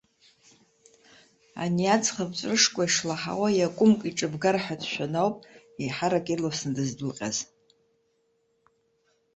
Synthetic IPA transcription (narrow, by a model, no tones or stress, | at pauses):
a̰niat͡sʰʼχabt͡ʃʷʼrɨʂkʷʼaiʂlaħa̰wajakʷʼʊmkʼiʈ͡ʂʼɨbɡarħadʰʃʷᶣanawpʼ | iħaɾakʼirlawsnadɨzdɨlqʲʼa̰z